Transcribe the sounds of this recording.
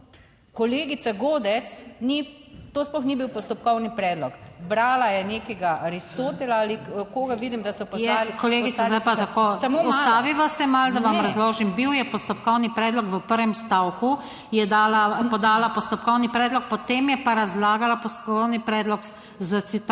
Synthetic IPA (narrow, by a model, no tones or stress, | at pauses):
kɔleːɡit̪saɡoːd̪ɛsnit̪oːsplɔxnibiwpɔst̪ɔp̚kɔwnipɾɛːd̪lɔkbɾaːlajɛneːkɛɡaɾist̪oːt̪ɛlaalikoːɡaʋiːd̪imd̪ɐsɔpɔjɛalikɔleːɡit̪t͡s̪azzd̪ajpat̪akoːɐɔst̪aːʋiʋasɛmald̪aʋamɾazloːʒimbiwjɛpɔst̪ɔpkɔwnipɾɛːd̪lɔkʋəpəɾʋɛmst̪awku | jɛd̪aːlapɔd̪aːlapɔst̪ɔp̚kɔwnipɾɛːd̪lɔk̚pɔt̪eːmjɛpaɾazlaːɡalapɔst̪ɔkkɔwnipɾɛːd̪lɔk | zasit̪